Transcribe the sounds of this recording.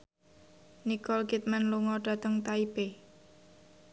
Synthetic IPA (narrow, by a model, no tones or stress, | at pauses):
nikɔlkit̪̚manluŋɔɖ̥a̤t̪əŋt̪aipe